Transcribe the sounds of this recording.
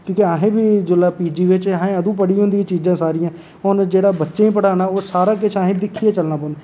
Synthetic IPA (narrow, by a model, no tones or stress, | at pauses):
kũːkeaːɦẽːbiːd͡ʒʊlaːpiːd͡ʒiːʋɪt͡ʃːẽːəd̪ũːp̬əɽiːõːnd̪iãːt͡ʃiːd͡ʒãːsaːɾɪjãː | ʊnd͡ʒeːɽaːbətːʃeːĩːpəɽaːnaːoːsaːɾaːk̬ɪt͡ʃʰaːɦẽːd̪ɪkʰːieːt͡ʃəlnaːpɔ̃ːnd̪ɛ